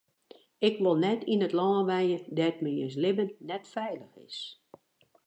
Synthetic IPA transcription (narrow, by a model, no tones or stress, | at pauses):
ɪkʋolˠnɛtinətlɔːnʋɛjədɛtməə̰s̬lɪbənːɛtfɛjləxɪ̰s